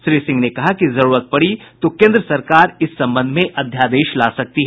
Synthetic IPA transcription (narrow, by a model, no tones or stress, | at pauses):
ʃɾiːsɪ̃ŋɡnekɐɦakizɐɾuːɾət̪̚pɐɽit̪okẽːnd̪ɾəsɐɾkaːɾɪsːɐ̃mbə̃nd̪ʱmẽʔɐd̪ʱjaːd̪eːʃlaːsɐk̚t̪iɦɛ